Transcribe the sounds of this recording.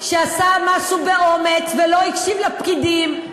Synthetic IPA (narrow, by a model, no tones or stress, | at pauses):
ʃeasamaʃubeo̞met͡svelo̞ikʃivlapkid̪im